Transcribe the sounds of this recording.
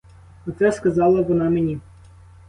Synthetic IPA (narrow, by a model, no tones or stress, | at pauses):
ɐt̪sɛskɐzɑlˠɐʋɔnɑmenʲi